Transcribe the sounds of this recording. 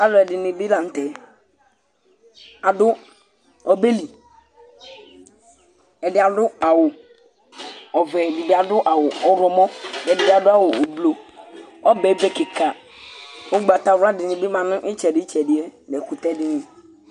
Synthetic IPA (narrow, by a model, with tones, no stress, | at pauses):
a˦lʊ˦ɛ˨dɪ˨nɪ˨bɪ˦la˨n̩˦t̪ɛ˨ | a˨dʊ˦ | ɔ˨be˦li˨ | ɛ˨dɪ˦a˨dʊ˦a˨wʊ˨ | ɔ˨vɛ˨dɪ˨bɪ˦a˨dʊ˦ʔa˨wʊ˨ɔ˨ɾɔ˨mɔ˦dɛ˨dɪ˨dɪ˦a˨dʊ˦a˦wʊ˨blo˨ɔ˦bɛ˨˦bɛ˦kɪ˨ka˨ | ʊ˦ɡ͡ba˨t̪a˨˦ɾa˦dɪ˨nɪ̃˨bɪ˦mã˨nʊ̃˦ʔɪ˦t͡ʃɛ˨dɪ˦t͡ʃɛ˨dɪ˨ɛ˦nɛ˨kʊ˨t̪ɛ˦dɪ˨nɪ̃˨